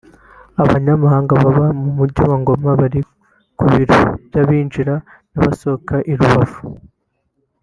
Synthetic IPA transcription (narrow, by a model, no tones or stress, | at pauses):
aβaɲamahaːŋɡaβaβamumuɾɟawaŋɡo̞maβaɾi | kuβiɾo̰bjaβiːnd͡ʒiɾa | naβaso̞kaʔiɾuβavu̥